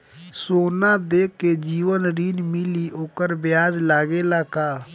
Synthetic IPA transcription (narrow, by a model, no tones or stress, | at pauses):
soːnad̪eːkːed͡ʒiːwənɾiːnmɪlioːkəɾbɪjaːd͡ʒlaːɡelaːkaː